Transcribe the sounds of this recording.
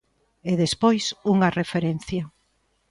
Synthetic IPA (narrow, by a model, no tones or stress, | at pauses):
eðespojsuŋɐrefeɾen̟θjɐ